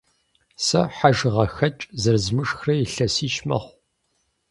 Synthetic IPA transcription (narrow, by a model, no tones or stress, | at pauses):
sɐħaʒʁɐxɐt͡ʃʼzɐrzmɨʂxrɐjɪɬɐsiːt͡ʃʼmɐ̰χʷ